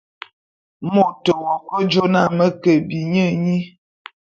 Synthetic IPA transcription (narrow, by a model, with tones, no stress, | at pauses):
mo˦˨tə˨wɔ˨kə˦d͡ʒo˦na˦˨mə˦kə˨bi˨ɲə˦˨ɲi˦